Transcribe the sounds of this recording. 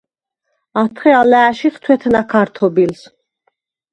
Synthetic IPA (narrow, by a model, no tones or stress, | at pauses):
at̪ʰχɛalæːʃiχt̪ʰwɛt̪ʰnakʰaɾt̪ʰɔbils